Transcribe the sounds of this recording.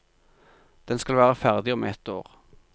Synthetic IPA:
d̪̥ɛnskɑlʋæːʁəfæʁd̪ɪɔmɛt̪oːʁ

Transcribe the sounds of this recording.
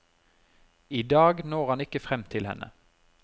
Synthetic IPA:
iːd̪ɑːɡnoːʁhɑnɪkəfʁɛmt̪ʰɪlhɛ̰nʔə̰

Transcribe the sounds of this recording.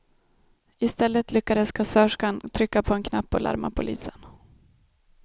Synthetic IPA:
ɪst̪ɛlːət̪lʏkːad̪əskasːœʂkant̪ʰɾʏkːapʰɔɛnkʰnapːɔlʔa̰ɾma̰pʰʊlḭːsən

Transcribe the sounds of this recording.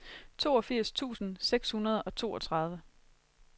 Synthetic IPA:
t͡sʰo̝̰ːɒ̽fiɐ̰st͡sʰṵːsn̩seɡ̥shunɐð̞ˠɒ̽t͡sʰo̝̰ːɒ̽t͡sʰʁɑ̈ð̞ˠʋə

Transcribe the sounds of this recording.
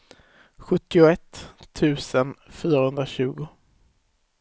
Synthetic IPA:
ɧɵt̪ːɪʊɛt̪ʰːʉ̟ːsənfyːɾahɵnd̪ɾaɕʉ̟ːɡʊ

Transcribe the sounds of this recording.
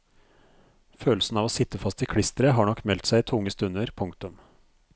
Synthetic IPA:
føːlsn̩ɑːʋoːsɪt̪əfɑst̪ɪkʰɽɪst̪əɾəɦɑːɳɔkːmɛlt̪sæɪt̪ʰʊŋːəst̪ʉnəɾpʰʊŋkt̪ʊm

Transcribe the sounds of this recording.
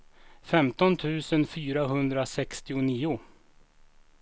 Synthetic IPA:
fɛmt̪ɔnt̪ʰʉ̟ːsənfyːɾaɦɵnd̪ɾasɛkst̪ɪʊniːʊ

